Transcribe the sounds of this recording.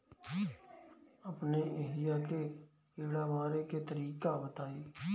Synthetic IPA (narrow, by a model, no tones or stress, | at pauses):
əpneːeːlɪjaːkeː | keːɽaːʋaːɾeːkeːt̪əɾiːkaːbət̪aːeː